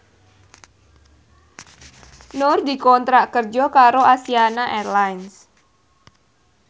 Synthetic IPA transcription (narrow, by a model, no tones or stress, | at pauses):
nord̪i̤kɔnt̪ɾaʔkərd͡ʒɔkaɾoasianaʔɛrlajns